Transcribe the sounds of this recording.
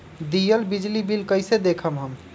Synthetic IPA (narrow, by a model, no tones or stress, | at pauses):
d̪ijəlbid͡ʒlibilkəjsed̪ekʰəmɦəm